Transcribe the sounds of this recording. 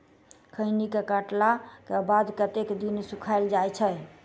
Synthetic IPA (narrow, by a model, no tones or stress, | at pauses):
kʰəɪnikekəʈlakebad̪kət̪ekd̪insukʰaɪld͡ʒajt͡ʃʰɛ